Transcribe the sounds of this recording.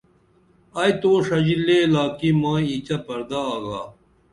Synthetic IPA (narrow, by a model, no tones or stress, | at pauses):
ɐjt̪oːʂɐd͡ʑilːeːlaːkimaːit͡ɕɐpɐɾd̪aːɡa̰ː